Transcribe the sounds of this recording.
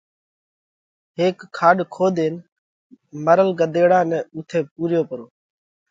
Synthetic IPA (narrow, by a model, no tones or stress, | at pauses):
ɦeːkʰːaːɗkʰoːd̪eːn | məɾəlɡəd̪eːɽãːnɛ̃ːʊːt̪ʰeːpuːɾjoːpəɾoː